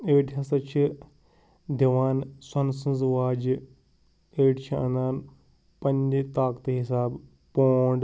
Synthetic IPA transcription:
eːʈɦɐsɐt͡ʃʰi | d̪ɐʋaːnsɐnsɐ̃nzʋaːd͡ʒ | eːʈt͡ʃʰiɐnaːn | pɐnʲd͡ʒt̪aːkt̪ɨɦisaːb | poːɳɖ

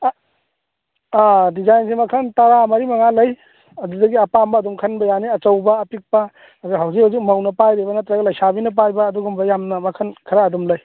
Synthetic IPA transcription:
adizajnsimɐkʰɐntɐɾamɐɾimɐŋalɐj | ɐdudɐɡiɐpambɐːdumkʰɐnbɐjaniɐt͡ʃɐwbɐːpik̚pɐ | ɐzuɦawzikhawzik̚mɐwnɐpajɾebɐnɐt̪ɾɐɡɐlɐjsabinɐp̬ajbɐːduɡumbɐjamnɐmɐkʰɐnkʰɐɾaːdumlɐj

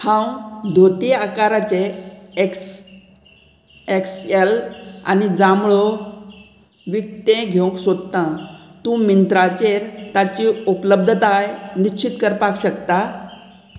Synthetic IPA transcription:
hãwd̪ʱot̪iakaɾat͡ɕeks | eksela̰nid͡zamɭɔ | ʋik̚t̪ẽɡʱew̃ksod̪t̪ãt̪ũmint̪ɾat͡ɕeɾt̪at͡ɕiupləb̚d̪ʱət̪ajnit͡ɕʰit̪kəɾpakɕəkt̪a

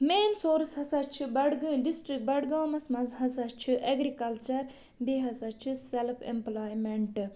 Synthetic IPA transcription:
meːnsoːɾshɐsɐt͡ʃʰibɐɽɡɖisʈɾik̚bɐɽɡaːmɐsmɐzɦɐsɐt͡ʃʰiʔɐɡɾikɐlt͡ʃɐɾ | biɦɐsɐt͡ʃʰiselpʰḛmplaːjmeɳʈ

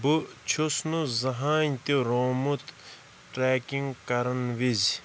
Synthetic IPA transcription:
but͡ʃʰusnuzɐɦaːnt̪iɾoːmut̪ | ʈɾeːkiŋɡkɐɾɐnʋizʲ

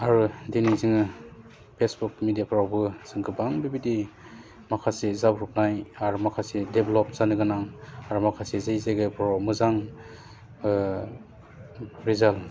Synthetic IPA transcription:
aɾɯdenizɯŋɯ | pʰesbuk̚midijapʰɾawbɯsɯŋkʰɯbaŋbibidi | makʰasezabɾup̚najaɾumakʰasedeblɔp̚zanɯɡɯnaŋaɾumakʰasezɯjzajɡajpʰɾawmɯzaŋ | ɾizal

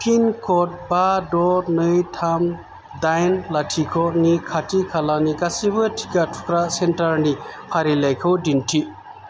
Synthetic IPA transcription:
pʰinkʰɔt̚badɔɾnɯjtʰam | dajnlatʰikʰɔnikʰatʰikʰalanikasibɯtʰi̥katʰu̥kɾasentaɾnipʰaɾilajkʰɯwdintʰi

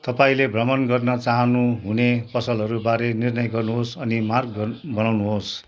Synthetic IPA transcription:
t̪ʌpaĩlebʱrʌmʌnɡʌrnʌt͡saɦʌnuɦunepʌsʌlɦʌɾubaɾenirnʌjɡʌrnuɦosʌnimarɡbʌnawnuɦos

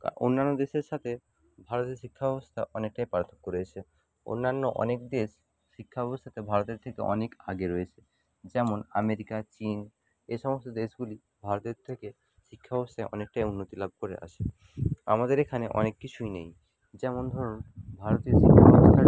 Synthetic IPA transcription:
o̰nːanːod̪eʃeɾʃat̪ʰe | bʱaɾot̪ioʃikʰːabɛbost̪ʰaʔɔnek̚ʈajpaɾt̪ʰːo̥kːoɾeet͡ɕʰe | o̰nːanːoʔɔ̰nekd̪eʃː | ikʰːaɛbost̪ʰat̪ebʱaɾot̪eɾt̪ʰekeɔ̰neka̰ɡeɾoet͡ɕʰe | d͡ʑɛmonameɾikat͡ɕin | eʃɔmost̪od̪eʃɡuli | bʱaɾot̪eɾt̪ʰeke | ʃikʰːabɛbost̪ʰajɔnek̚ʈajunːot̪ilab̚ʱkoɾḛʔa̰ʃʰe | a̰mad̪eɾekʰaneʔɔ̰nekːit͡ɕʰujnej | d͡ʑɛmond̪ʱɔɾonbʱaɾot̪ioʃikʰːabɛbost̪ʰa

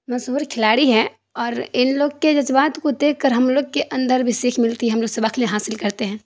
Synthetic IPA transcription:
mɐzɦuːɾkʰɪlaːɽiɦɛ | ɔːɾɪnloːɡked͡ʒɐzbaːt̪kod̪eːkʰkəɾɦɐmloːɡkeʔɐ̃nd̪əɾbʱisiːkʰmɪlt̪iɦɛɦɐmloːɡsebakʰlẽɦaːsɪlkɐɾt̪eɦɛ̃ː

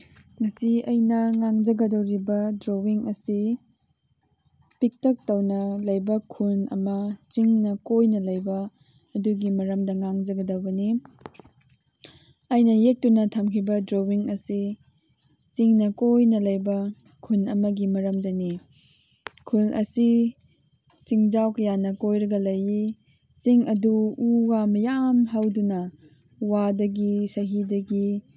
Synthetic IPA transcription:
ŋɐsiɐjnɐŋaŋd͡ʒɐɡɐdɐwɾibɐdɾowiŋɐsi | pik̚tɐk̚tɐwnɐlɐjbɐkʰunɐ̰mɐt͡ʃiŋnɐkojnɐlɐjbɐː | duɡimɐɾɐmdɐŋaŋd͡ʒɐɡɐdɐwbɐni | ɐjnɐjek̚tunɐtʰɐmkʰibɐdɾowiŋɐsi | t͡ʃiŋnɐkojnɐlɐjbɐ | kʰunɐmɐɡimɐɾɐmdɐni | kʰulʔɐ̰si | t͡ʃiŋd͡ʒawkɐjanɐkojɾɐɡɐlɐji | t͡ʃiŋɐduuɡamɐjamɦawdunɐ | wadɐɡisɐɦidɐɡi

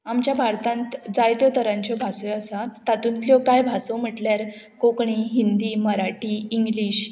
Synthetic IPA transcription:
amt͡ɕjabʱaɾt̪ãnt̪d͡zajt̪jɔt̪əɾãɲt͡ɕɔbʱasɔəsat̪at̪ũnt̪ljɔkajbʱasɔm̤əʈljaɾ | kokɳiɦind̪iːməɾaʈiːiŋɡliɕ

